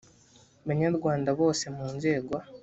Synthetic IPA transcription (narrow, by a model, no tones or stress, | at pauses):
βaɲaɾɡwaːndaβo̞ːse̞muːnze̞ːɡwa